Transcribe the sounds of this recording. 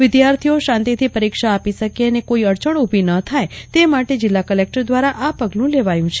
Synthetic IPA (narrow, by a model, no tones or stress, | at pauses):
ʋɪd̪jaɾt̪ʰijoʃãnt̪it̪ʰipəɾikʃaːpiʃəkeənekoiəɾt͡ʃəɳubʱinət̪ʰajt̪emaʈed͡ʒɪlːakəlek̚ʈəɾd̪ʋaɾaʔapəɡlũleʋajũt͡ʃʰe̥